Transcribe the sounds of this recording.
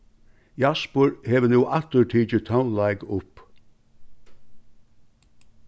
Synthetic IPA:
jaspəɹheːʋənuːʔat̪əɾʈʰiːt͡ʃət̪ʰaʊnlaɪɡʊp

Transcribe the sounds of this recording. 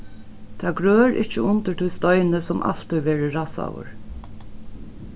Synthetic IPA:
t̪ʰaːɡɾøːɾʔɪht͡ʃəʊnt̪ət̪ʰɔjst̪ɔʏnəsɔmʔa̰lt̪ɔjʋɛːɾəɹasa̰wə̰ɹ

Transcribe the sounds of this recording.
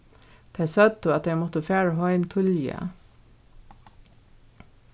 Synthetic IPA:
t̪ʰæɪsœd̪əɑt̪̚d̪eɪmɔt̪əfæːɹəɦœʏmt̪ʰʏljə̰

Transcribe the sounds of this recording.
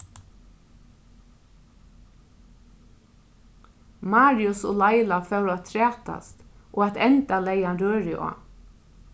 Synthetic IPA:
mɑːɾɪʊso̰ːlaɪlafœʉɾat̪ʰɾæːt̪a̰st̪ʔoːat̪ɛnt̪aleɪanɾøːɹɪʔɔ̰ː

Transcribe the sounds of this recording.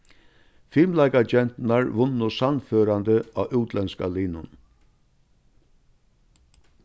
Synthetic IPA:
fɪːmlaɪkad͡ʒɛn̥t̪naɹʋʊnɔsanføːɾand̪əaːʔʉːt̪lɛnskaliːnʊn

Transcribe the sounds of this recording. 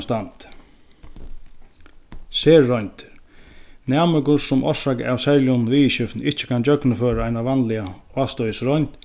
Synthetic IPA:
st̪ant̪ | seːɔɲʲt̪ | nɛːməkʊsʊmʔɔ̰ʂaka̰ʋsɛɾljɔnʋiːɕʏft̪nɪht͡ʃɪ̥kʰant͡ɕœknəføːɾaajnaʋanlɪaaːst̪ɔjəsɾɔjɲt̪

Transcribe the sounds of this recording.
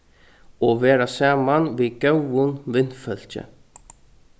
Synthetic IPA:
ɔʋeːɾasaːmanʋiːɡœwʊnʋɪnfœl̥cə̰

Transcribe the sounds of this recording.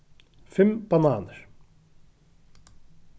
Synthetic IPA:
fɛmb̥ɑnɑːnəɾ

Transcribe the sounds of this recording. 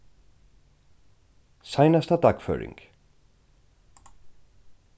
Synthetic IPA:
sajnast̪ad̪akfœ̰ːɹɪ̰ŋk

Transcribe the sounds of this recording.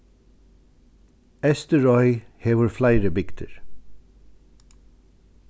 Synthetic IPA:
ɛst̪əɹɔʏheːʋəɹflæɪɾəbɪkt̪ʰə̰ɾ

